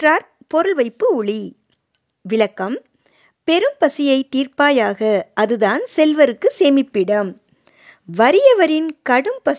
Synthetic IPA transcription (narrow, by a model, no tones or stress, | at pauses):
raːɾ | pɔɾɯlʋɐɪpːɯʊɭi | ʋɪɭɐkːɐm | pɛɾɯmpɐsɪjɐɪt̪ːiːrpaːjaːɣɐʔɐðɯðaːnsɛlʋɐɾɯkːɯseːmɪpːɪɽɐm | ʋɐɾɪjɐʋɐɾɪnkɐɽɯmpɐ